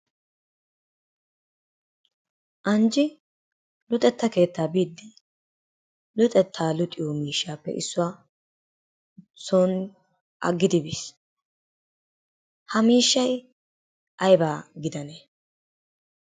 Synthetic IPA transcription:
ʔɐnd͡ʒɪ | lʊt̪ʼɛt̪ːɐke̞ːt̪ːaːbiːd̪ːɪ | lʊt̪ʼɛt̪ʰːaːlʊt̪ʼɪjomiːʃːaːpːɛ̰ʔɪsːʊwaː | soːn | ʔɐ̰ɡːɪd̪ɪbɪs | hɐmiːʃːɐj | ʔɐjbaːɡɪd̪ɐne

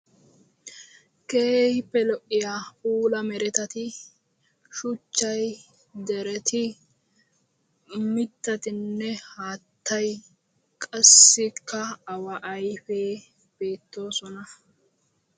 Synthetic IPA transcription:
keːjpːɛlɔʔɪjaːuːlɐmɛɾɛt̪ɐt̪ɪ | ʃʊt͡ʃːɐj | d̪ɛɾɛt̪ɪ | mɪt̪ːɐt̪ɪnːɛhaːt̪ʰːɐj | kʼɐsːɪkʰːɐːwɐʔɐjfeː | b̥e̞ːt̪ːo̞ːsɔnɐ

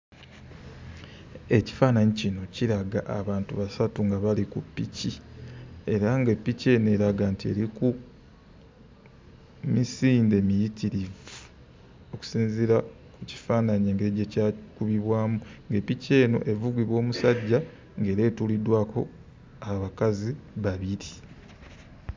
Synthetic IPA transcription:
e̞ci̥faːnaɲicino̞ciɾaɡaʔaβaːntuβasatuŋɡaβalikupːici | e̞ɾaŋɡe̞pːice̞ːne̞ɾaɡaːntie̞̰ɾiku | misiːnde̞mijitiɾivu | o̞ku̥siːnziɾa | kuci̥faːnaɲeːŋɡeeɟecaːkuβiβwaːmuŋɡe̞pːice̞ːno̞̰ʔe̞vuɡwiβwo̞ːmusaɟːa | ŋɡeːɾe̞ːtulidwaːko̞̰ | aβakaziβaβiɾi

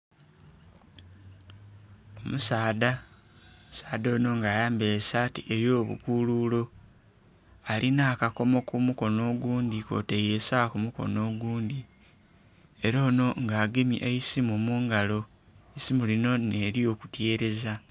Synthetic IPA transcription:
omusaːda | msaːd̪o̞ːno̞ŋɡaːjaːmbeesaːtiʔejo̞ːβṵkululo̞ | alʔinaːkako̞mo̞kumuko̞no̞ːɡuːndiko̞̰ːtejesakumuko̞̰no̞ːɡuːndi | e̞ɾo̞ːno̞ŋɡaːɡemiʔeisimumuːŋɡalo̞ | isimulino̞neːɾio̞ːku̥tje̞ːɾe̞za

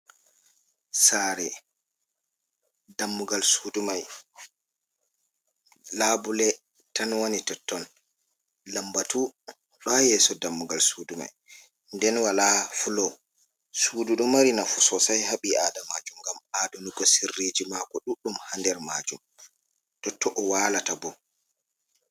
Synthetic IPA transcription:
saːɾɛ | damːuɡalsuːdumaj | laːbulɛ | tanwonitɔtːɔn | lambatu | ɗɔjɛsɔdamːuɡalsuːduma̰j | ndɛnwalafulɔ | suːduɗumaɾinafusɔsajhaɓiaːdamad͡ʒumɡamadunukɔsirːed͡ʒimakɔɗuɗːumhandɛɾma̰d͡ʒum | tɔtːɔʔɔwaːlatabɔ

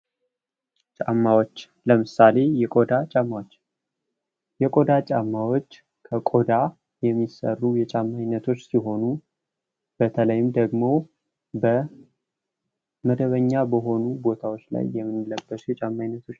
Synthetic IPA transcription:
t͡ʃʼa̰mːawot͡ʃː | ləmɨsale̞jɛkʼo̞d̪at͡ʃʼamːawot͡ʃː | jɛkʼo̞d̪at͡ʃʼamːawo̞t͡ʃː | kʰəkʼo̞d̪a | jɛmːisə̰rːujɛt͡ʃʼamːajnːət̪ʰo̞t͡ʃːsiɦo̞nu | b̥ət̪ʰələjɪmd̪əɡmo̞ | bə | məd̪əβəɲːabəɦo̞nubo̞t̪ʰawot͡ʃːla̰jːɛmːɨnːɨləbːəsjɛt͡ʃʼamːajnːət̪ʰo̞t͡ʃː

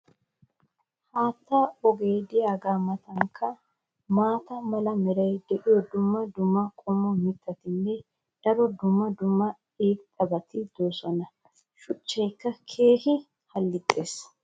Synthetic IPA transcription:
haːt̪ːaɔɡeːd̪ɪjaːɡaːmɐt̪ɐŋkʰːɐ | maːt̪ɐmɐlɐmɛɾɐjd̪ɛʔɪjɔd̪ʊmːɐd̪ʊmːɐkʼɔmɔmɪt̪ʰːɐt̪ɪnːɛ | d̪̥ɐɾɔd̪ʊmːɐd̪ʊmːɐ | eːt̪ʼɐbɐt̪ɪd̪oːsɔnɐ | ʃʊt͡ʃːɛjkːɐkʰe̞ːhɪ | hɐlːɪt̪ʼːeːs

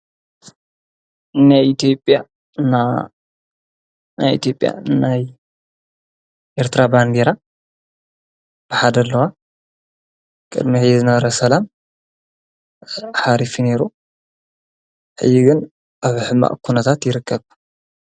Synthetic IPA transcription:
najʔit̪ʰjo̞pʼja | na | na̰jʔḭt̪ʰjo̞pʼja̰naj | ʔeɾt̪ɾaband̪eɾa | b̥ɨħad̪ɐlːɐwa | kʼɨ̰d̪miʕjzɨnɐβɐɾɐsɐlam | ħaɾifine̞ɾu | ħɨ̰jːiɡɨn | ʔaβħɨmːa̰ʔkʰunɐt̪ʰat̪jɪɾɨkʰːɐβ

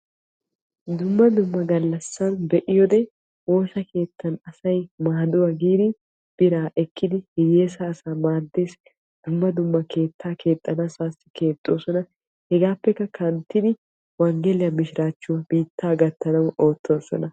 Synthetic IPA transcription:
d̪ʊmːɐd̪ʊmːɐɡɐlːɐsːɐnbɛʔɪjɔd̪ɛ | wo̞ːsɐkʰe̞ːt̪ʰːɐnɐsɐjmaːd̪ʊwɐɡiːd̪ɪ | b̥ɪɾaːɛkʰːɪd̪ɪhɪjeːsɐːsaːmaːd̪ːe̞ːs | d̪̥ʊmːɐd̪ʊmːɐke̞ːt̪ʰːaːkʰe̞ːt̪ʼːɐnɐsaːsɪ̥ke̞ːt̪ʼːoːsɔnɐ | hɛɡaːpːɛkːɐkʰɐnt̪ːɪd̪ɪ | wɐŋɡɛlɪjɐmɪʃɪɾaːt͡ʃːʊwɐbiːt̪ːaːɡɐt̪ʰːɐnɐwo̞ːt̪ʰːo̞ːsɔ̰nɐ

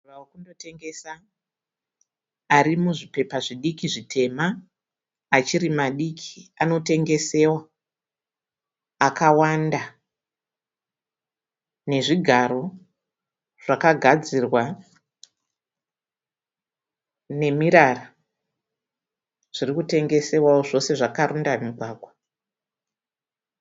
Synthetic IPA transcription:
rawokundo̞te̞ŋɡe̞sa | ɾimuʐipe̞paʐiɗikiʐitʰe̞maː | t͡ʃiɾimaɗikʰiano̞te̞ŋɡe̞se̞wa | kawanda | ne̞ʐiɡʱaɾo̞ | ʐ̥akaɡʱad͡zirwa | ne̞miɾara | ʐ̥irikute̞ŋɡe̞se̞wawoʐo̞se̞ʐakaɾundamiɡʱwaːɡʱwa

